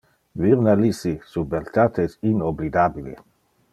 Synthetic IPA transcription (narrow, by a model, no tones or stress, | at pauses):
viɾnalisisubelt̪at̪esinoblid̪abilḛ